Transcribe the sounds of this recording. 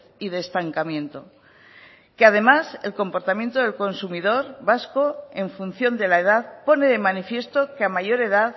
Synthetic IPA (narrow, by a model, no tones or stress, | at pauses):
iðe̞ːst̪aŋkamjẽ̞nt̪o̞ | keað̞e̞mase̞lko̞mpo̞ɾt̪amje̞nt̪oðe̞lko̞nsumið̞o̞ɾβasko̞e̞ɱfun̟θjo̞nd̪e̞laeð̞aðpo̞ne̞ðe̞manifje̞st̪o̞keamaʝo̞ɾe̞ð̞að